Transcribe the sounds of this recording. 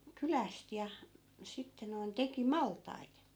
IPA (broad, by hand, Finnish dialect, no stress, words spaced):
kylæst jɑ sitːe noin teki mɑltˑɑit